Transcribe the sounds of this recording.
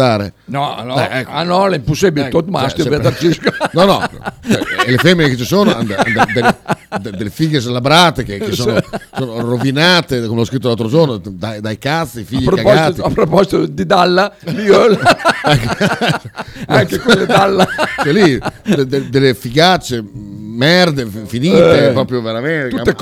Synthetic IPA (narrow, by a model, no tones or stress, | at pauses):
aːɾḛnɔnɔɛkːanɔlɛimposibilot̪masjvɛat̪aɾt͡ʃiskonɔnɔ̰t͡ʃɛ̰elefɛmːineket͡ʃisoːnoa̰nd̪and̪d̪eled̪d̪elefiɡes̬labɾaːt̪ekekesːoːnosoːnoɾovinaːt̪ekomelɔskɾit̪ːolalt̪ɾod͡ʒornod̪ajd̪ajkasːiifiʎːiɾkaɡpaapːɾopɔzit̪od̪id̪alːabiølɛkː | aŋkekwlːed̪alːaɛlːid̪d̪ed̪elːefiɡat͡ʃːemɛrd̪effiniːtepɾɔːpɾjoveɾament̪ue